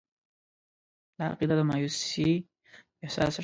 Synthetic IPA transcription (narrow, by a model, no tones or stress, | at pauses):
laa̰qid̪ad̪əmɑjusi | ɪhsɑ̰s